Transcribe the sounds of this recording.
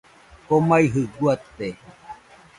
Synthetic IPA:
komaiɦɨɡuat̪ːe

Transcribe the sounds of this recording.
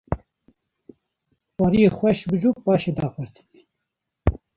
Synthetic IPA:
wɑːɾijexʷɛʃbɨd͡ʒuːpɑːʃed̪ɑːpɨɾt̪

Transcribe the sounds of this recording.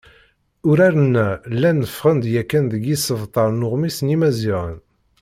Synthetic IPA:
ʊɾaɾənːælːænəfʁənd̪jækːænðəɡisəvt̪ˤɑɾˤnʊʁmisnimæziʁə̰n

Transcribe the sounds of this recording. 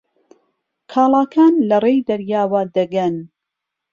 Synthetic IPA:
kʰaːlˠɑːkʰaːnlɐrejd̪ɐɾjaːwɐd̪ɐɡɐn

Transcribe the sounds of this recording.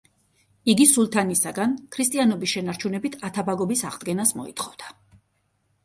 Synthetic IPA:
iɡisulˠt̪ʰanisaɡankʰɾist̪ʼianɔbisʃɛnaɾt͡ʃʰunɛbit̪ʰat̪ʰabaɡɔbisaʁd̪̚ɡɛnasmɔ̰ḭt̪ʰχɔvd̪̥a

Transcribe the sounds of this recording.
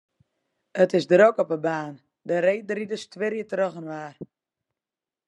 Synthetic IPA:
ətɪsdrokɔpəbaːn | dəɾejdridəstʋɪɾjətroχənʋaːr

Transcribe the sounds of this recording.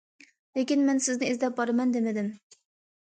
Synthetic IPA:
lekʲinmɛnsɪznɪizd̪ɛp̚bɑɾɑmɛnd̪emɪd̪ɪm

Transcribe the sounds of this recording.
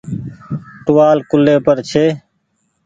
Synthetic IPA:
ʈʊʋaːlkʊleːpəɾt͡ʃʰeː

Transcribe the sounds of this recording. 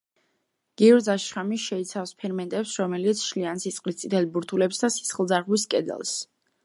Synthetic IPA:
ɡ̥iɔɾd̪zaʃχamiʃɛit̪sʰafspʰɛɾmɛnt̪ʼɛpsɾɔmɛlit̪sʰʃliansit̪sʼqʼlist̪sʼit̪ʰɛlibuɾt̪ʰulɛbsd̪asi̥sχlˠd̪zaɾʁwiskʼɛd̪ɛ̰lˠs

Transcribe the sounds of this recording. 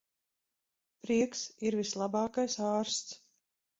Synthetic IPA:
pɾiɛksiɾvislˠabɑːkajsaːɾst̪s

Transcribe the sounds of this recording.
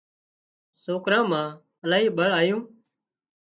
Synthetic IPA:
soːkɾãːmãː | əlaːɦiːɓəɭaːjũː

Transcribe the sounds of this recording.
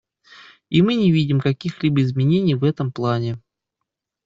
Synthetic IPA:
imɨnʲɪvʲidʲɪmkɐkʲixlʲibəɪzmʲɪnʲenʲɪjvɛt̪əmplˠanʲɪ

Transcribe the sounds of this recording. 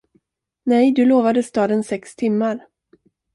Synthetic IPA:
nɛjd̪ɵloːvad̪əst̪ɑːd̪ənsɛkst̪ʰɪmːaɾ

